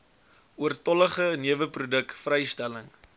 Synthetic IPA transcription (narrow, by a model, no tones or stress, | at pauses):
uərtɔləχəniəvəprudəkfrɛjstæləŋ